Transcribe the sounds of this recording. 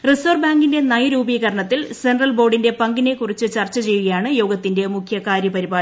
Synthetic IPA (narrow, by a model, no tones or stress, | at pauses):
riso̞ːrbaːŋɡinde̞nɐjɐɾuːbiːɣɐɾɐɳɐt̪ːilsenrɐlbo̞ːɖinde̞pɐŋɡine̞kːurit͡ɕːɨt͡ɕɐrt͡ɕːɐt͡ɕe̞jːuɣɐjaːɳɨjo̞ːɡɐt̪ːinde̞mukʰjɐkaːɾjɐpɐɾibaː